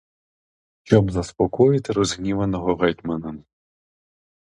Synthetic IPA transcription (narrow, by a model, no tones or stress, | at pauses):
ʃt͡ʃɔbzɐspɔkɔjɪt̪ɪɾɔzɦnʲiʋɐnɔɦɔɦɛjt̪ʲmɐnɐ